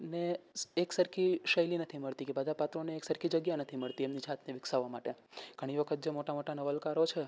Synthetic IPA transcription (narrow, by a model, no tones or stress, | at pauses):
neeksəɾkʰiʃəjlinət̪ʰiməɭt̪ikebəd̪ʱapat̪ɾoneːksəɾkʰid͡ʒəɡjanət̪ʰiməɭt̪iemnid͡ʒʱat̪neʋɪksaʋamaʈeɡ̥ʱəɽ̃iʋəkʰət̪̚d͡ʒemoʈamoʈanəʋəlkaɾot͡ʃʰe